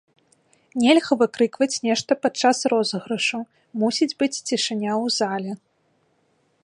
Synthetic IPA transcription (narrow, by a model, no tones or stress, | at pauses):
nʲɛlʲɣɐvɨkɾɨkvɐt͡sʲnʲɛʂt̪ɐpat̪̚t͡ʂasrɔzɣɾɨʂu | musʲid͡zʲbɨt͡sʲt͡sʲiʂɨnʲawzalʲɛ